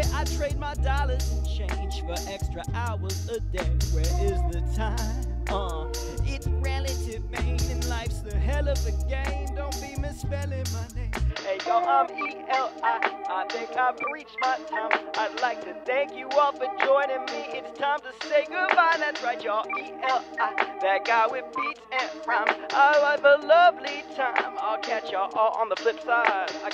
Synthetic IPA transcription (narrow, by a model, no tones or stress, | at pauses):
ʔaɪtʰɹ̥eɪd̚maɪdɑlˠə˞z̥ɨ̃nt͡ʃʰẽɪ̃nʒ̥fə˞ʔɛkstɹ̥əʔaɪwʌzɨdeɪwə˞ʔɪzðɨtʰãɪ̃mʌ | ɪtsɹɛlˠɨɾɪvmẽɪ̃ɨ̃nlaɪfsðɨɦɛlˠʌvðɨɡẽɪ̃mdõʊ̃nb̥imɪspɛlˠɪ̃ŋmaɪnẽɪ̃meɪɡoʊãmiɛlˠaɪʔaɪθɪ̃ŋkaɪvɹit͡ʃmaɪtʰãɪ̃mʔaɪdˡlaɪk̚tʰɨθæ̃ŋkjɨɔlˠfə˞d͡ʒɔ̃ɪ̃nɪ̃ŋmiʔɪtstʰãɪ̃mtʰɨsteɪɡʊd̚baɪðætsɹaɪt͡ʃəʔiʔɛlˠaɪðɨt̚ɡ̥aɪwɪðbitsɨ̃nãɪ̃mʔaɪavəlʌvlitʰãɪ̃maɪlˠkʰæt͡ʃə˞ʔɔlˠə̰̃nðəflɪpsaɪdaɪ